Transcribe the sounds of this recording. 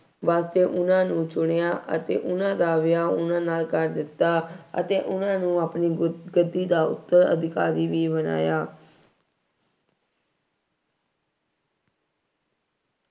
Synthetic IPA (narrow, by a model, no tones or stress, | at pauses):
ʋaːst̪eːʔʊnãːnũːt͡ʃʊɽejaːʔə̰t̪ḛːʔʊnãːd̪aːʋɪjaːʊnãːnaːlkəɾd̪ɪt̪ːaːə̰t̪eːʔʊnãːnũːaːpniːɡəd̪ːiːd̪aːʊ̰t̪ːəɾə̰d̪ɪkaːɾiːʋiːbəna̰ːjaː